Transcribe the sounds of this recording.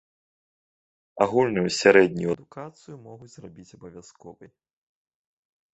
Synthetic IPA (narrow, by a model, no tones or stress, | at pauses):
aɣulʲnujusʲaɾɛd̪ʲnʲujuɐd̪ukat̪sɨjumɔɣut͡sʲzrabʲit͡sʲɐbɐvʲaskɔvɨj